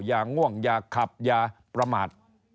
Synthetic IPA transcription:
jaː˧ŋu˥˩əŋjaː˧kʰa˨˩p̚jaː˧pɾa˧maː˨˩t̪̚

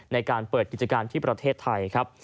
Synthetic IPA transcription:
na˧jkaː˧npɤː˨˩t̪̚i˨˩t͡ɕa˧kaː˧nt̪ʰiː˥˩pɾa˧t̪ʰeː˥˩t̪ʰːa˧jkʰɾa˦˥p̚

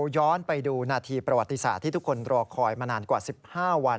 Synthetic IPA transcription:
jɔː˦˥npa˧jduː˧naː˧t̪ʰiː˧pɾa˧wa˨˩t̪ːi˧sa̰ː˨˩t̪ʰːiː˥˩t̪ʰkʰːo˧nɾɔː˧kʰɔː˧jmaː˧naː˧nkwaː˨˩si˨˩p̚haː˥˩wa˧n

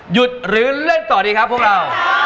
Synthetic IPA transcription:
ju˨˩t̪̚ɾɯː˩˦lɯ˥˩nt̪ɔː˨˩diː˧kʰa˦˥pʰːu˥˩ək̚ɾa˧w

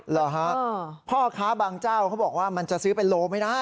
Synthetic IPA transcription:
lɔ˨˩ɦa˦pʰɔː˥˩kʰaː˦˥baː˧ŋt͡ɕaː˥˩wkʰa˦˥wbɔː˨˩k̚waː˥˩ma˧nt͡ɕa˨˩ʔsɯː˦˥pe˧nloː˧ma˥˩jdaː˥˩j

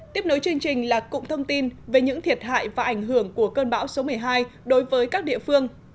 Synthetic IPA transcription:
t̪i˦˥əp̚no˨˦jt͡ɕɨ˧əŋt͡ɕï˨˩ŋ̟laː˨˩kʊ̰˧˨ŋ͡mt̪ʰə˧wŋ͡mt̪i˧nve˨˩ɲɨ̰˧˥ŋt̪ʰi˨˩ət̚ha̰ː˧˨jvaː˨˩ʔa˧˩jŋ̟ɦɨ˧˩əŋku˧˩əkəː˧nɓa̰ː˧˥wso˨˦mɨ˨˩əjɦaː˧jɗo˨˦jvəː˨˦jkaː˦˥k̚ɗḭ˧˨əfɨ˧əŋ

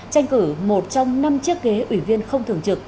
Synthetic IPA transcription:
t͡ɕa˧jŋ̟kɨ˧˩mo˨˩t̚t͡ɕɔ˧wŋ͡mna˧mt͡ɕɨ˦˥ək̚ːe˨˦ʔwi˧˩vi˧ənxə˧wŋ͡mt̪ʰɨ˨˩əŋt͡ɕɨ˨˩k̚

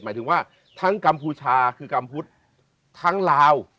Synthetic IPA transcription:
maː˩˦jt̪ʰŋwaː˥˩ | t̪ʰa˦˥ŋka˧mpuː˧t͡ɕʰaː˧kʰɯː˧ka˧mpʰu˦˥t̪̚ʰː | a˦˥ŋlaː˧w

